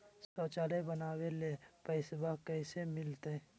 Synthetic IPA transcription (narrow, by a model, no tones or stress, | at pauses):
soːt͡ʃaːlebənaːwelepəɪsbakəɪsemɪlt̪e